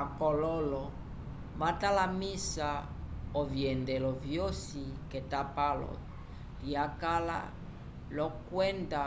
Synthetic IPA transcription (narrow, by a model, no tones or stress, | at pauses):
akɔlɔlɔ | βatalamisa | ɔviɛndɛlɔvjosikɛtapalɔ̰ | ɾiakala̰ | lɔkwɛnda